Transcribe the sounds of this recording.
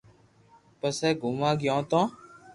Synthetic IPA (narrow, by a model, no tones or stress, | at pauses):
pəsɛːɡʱʊmãːɡjɔ̃ːt̪ɔ̃ː